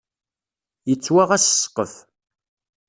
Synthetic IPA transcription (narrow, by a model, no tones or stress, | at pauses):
jət͡sːwaʁæsə̥sqːəf